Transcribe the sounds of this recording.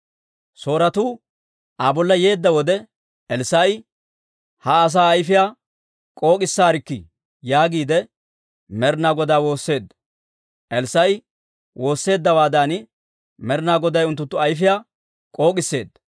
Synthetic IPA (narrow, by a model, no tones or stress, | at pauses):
so̞ːɾɐt̪uː | ʔaːbɔlːɐje̞ːd̪ːɐwɔd̪ɛ | ʔɛlsɐj | hɐːs̬aːɐjfɪjaː | kʼo̞ːkʼɪsːaːɾɪkːɪ | jaːɡiːd̪ɛ | mɛɾnaːɡɔd̪aːwo̞ːsːe̞ːd̪ːɐ̥ | ʔɛlsɐj | wo̞ːsːe̞ːd̪ːɐwaːd̪aːnɪ | mɛɾnaːɡɔd̪ɐjʊnt̪̬ːʊt̪ːʊɐjfɪjaː | kʼo̞ːkʼɪsːe̞ːd̪ːɐ̥